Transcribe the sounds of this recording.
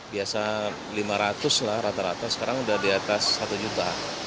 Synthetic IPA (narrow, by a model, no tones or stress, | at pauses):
biasa | limaɾat̪ʊslahɾat̪aɾat̪asə̥kaɾaŋudahdiat̪asːat̪ud͡ʒut̪a